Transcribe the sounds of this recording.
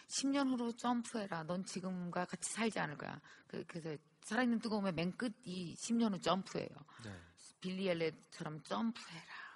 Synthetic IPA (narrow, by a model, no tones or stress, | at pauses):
ɕʰimɲʌnuɾot͡ɕ͈ʌmpʰuɦe̞ɾanʌnt͡ɕiɡɯmɡwakat͡ɕʰi̥sʰaɭd͡ʑia̰nɯɭk͈a̰ja̰kɯkɯɾesʰʌ | sʰaɾainːɯntuɡʌomjemenk͈ɯd̚iɕʰimɲʌnuɭt͡ɕ͈ʌmpʰuḛjo̰npilːieɭːet͡ɕʰaɾʌmt͡ɕ͈ʌmpʰuɦe̞ɾa